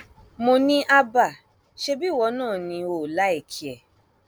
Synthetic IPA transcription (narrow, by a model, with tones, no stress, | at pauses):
mo˧nĩ˦ʔa˧ba˦˨ | ʃe˧bi˦˨wɔ˧˦nãː˦˨nĩ˧o˨la˨˦e˦˨kʰi˨ɛ˨